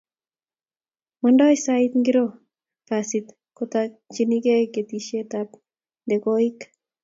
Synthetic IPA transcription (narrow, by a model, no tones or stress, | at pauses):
mɔndajsait̪ŋɡiɾo | pasit̪ | kot̪at͡ʃinikeket̪iʃet̪ap | nd̪ekoik